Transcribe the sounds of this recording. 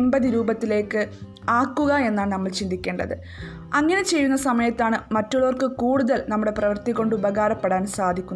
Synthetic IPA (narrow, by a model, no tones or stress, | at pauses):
mbɐðɨɾuːbɐt̪ːile̞ːkːɨ | aːkːuɣɐe̞nːaːɳɨnɐmːɐɭt͡ɕind̪ʱikʲːeːɳɖɐðɨ | ɐŋːɐne̞t͡ɕe̞jːunːɐsɐmɐjɐt̪ːaːɳɨmɐtːuɭoːrkɨkuːɽuðɐlnɐmːuɽe̞prɐʋɐrt̪ikːo̞ɳɖubɐɣaːɾɐpːe̞ɽaːnsaːd̪ʱikʲːunː